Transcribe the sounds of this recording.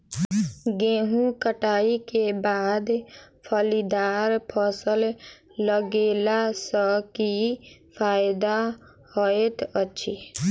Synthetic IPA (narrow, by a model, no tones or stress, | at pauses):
ɡẽːɦũkəʈaːikebaːd̪pʰəlid̪aːɾpʰəsəl | ləɡeːlasəkipʰaːɪd̪a | hɔet̪ətːʃʰi